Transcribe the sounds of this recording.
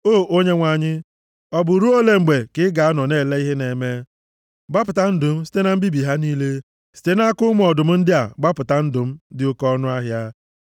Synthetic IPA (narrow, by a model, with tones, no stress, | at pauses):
oː˦˨o˦ɲe˦ŋʷa˨ɲɪ˦ | ɔ˦bʊ˨ɾu˦o˦le˨ŋ͡m̩˨ɡ͡be˨kɪ˦ɡa˨a˦nɔ˨ne˦˨le˦i˦ɦe˦ne˨me˦ | ɡ͡ba˦p̬ʊ˨ta˦n̩˦dʊ˨m̩˦si̥˦te˦na˨m̩˦bi˦bi˨ɦa˦niː˦le˦ | si̥˦te˦na˦kʊ˦m˦ɔ˨dʊ˨m̩˦n̩˦dɪ˦a̰˨ɡ͡ba˦pʊ˨ta˦n̩˦dʊ˨m̩˦dɪ˦ʊ˦kɔ˦nʊ˦a˦ɦja˦